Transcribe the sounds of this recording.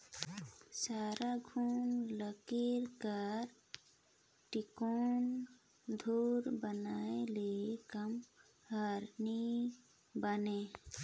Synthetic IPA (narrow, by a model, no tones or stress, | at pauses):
saɾaɡʱuːnləkiɾkəɾ | ʈikoːn | d̪ʱuɾbənaelekəm | həɾni | bəne